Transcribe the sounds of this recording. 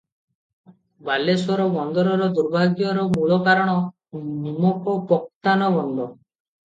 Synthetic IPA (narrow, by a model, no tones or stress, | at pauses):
baleswɔɾɔbɔnd̪ɔɾɔɾɔd̪uɾbʱaɡjɔɾɔmuɭɔkaɾɔɽ̃ɔ | nimɔkɔpɔk̚t̪anɔbɔnd̪ʱɔ